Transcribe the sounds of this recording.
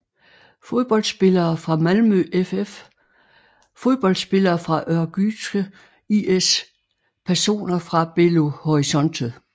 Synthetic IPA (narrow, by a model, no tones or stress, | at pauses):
foðˠb̥ɒ̽l̰d̥sb̥e̝lɐːfʁɑ̈mælmøʔefef | fo̝ðˠb̥ɒ̽ld̥sb̥e̝lɐːfʁɑ̈ʔɶɐɡ̥y̥sɡ̥ə | ies | pʰæɐso̝̰ːnɐfʁɑ̈b̥e̝lo̝hɒʁisɒ̽n̰d̥ʰə